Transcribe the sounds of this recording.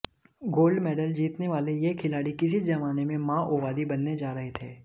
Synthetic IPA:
ɡoːlɖmɛːɖəld͡ʒiːt̪neʋaːlejekʰɪlaːɽikɪsid͡ʒɐmaːnemẽmãːʔoːʋaːd̪ibɐnːed͡ʒaːɾɐɦet̪ʰḛː

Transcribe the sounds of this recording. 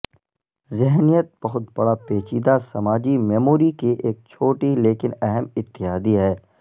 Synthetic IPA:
zɪɦnijət̪̚bɐɦʊt̪bɐɽapeːt͡ʃiːd̪asɐmaːd͡ʒimɛːmoːɾikiʔeːk̚t͡ʃʰoːʈileːkɪnɛɦɛmɪt̪ːɪɦaːd̪iɦɛː

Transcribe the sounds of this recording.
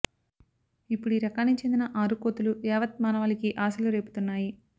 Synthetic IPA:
ipːuɽiɾɐkaːnit͡ʃe̞nd̪inɐʔaːɾukoːt̪ulujɛːʋɐt̪̚maːnɐʋɐːlikiʔaːsɐluɾe̞ːpu̥t̪unːaːji

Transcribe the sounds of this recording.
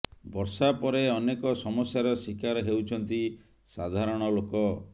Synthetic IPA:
bɔɾsapɔɾeɔnekɔsɔmɔsjaɾɔsikaɾɔɦewt͡ʃʰɔnt̪i | sad̪ʱaɾɔɽ̃ɔlokɔ

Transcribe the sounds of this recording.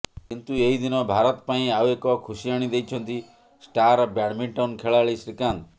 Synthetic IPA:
kint̪ueɦid̪inɔbʱaɾɔt̪paĩawekɔkʰusiaɽ̃id̪ejt͡ʃʰɔnt̪i | sʈaɾɔbjaɽmiɳʈawnkʰeɭaɭisɾikant̪

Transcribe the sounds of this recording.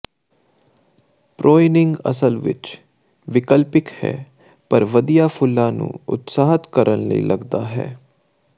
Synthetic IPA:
pɾʔoːɪnɪ̃ŋɡə̰səlʋɪ̰t͡ʃ | ʋɪkəlpɪkhɛ̰ː | pəɾʋəd̪ijaːpʰʊlːãːnṵ̃ːʊ̰t̪saːɦət̪kəɾʔənləḭːlʔəɡd̪aːɦɛ̰ː

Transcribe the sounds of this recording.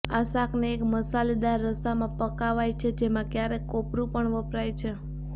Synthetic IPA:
asakʰneːkməsalid̪aɾːəsamãpəkaʋajt͡ʃʰed͡ʒemãkjaɾekopɾupəɳʋəpɾajt͡ʃʰe

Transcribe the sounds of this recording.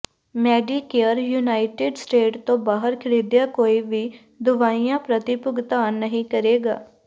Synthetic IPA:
mɛːɖiːkeəɾjuːnaːɪʈeːɖsʈeːʈt̪õbaːɦəɾkʰɪɽiːd̪jakoːiʋʱi | d̪ʊʋaːijãpɾət̪ɪpʊɡt̪aːnəɦĩkəɾeːɡa̰ː

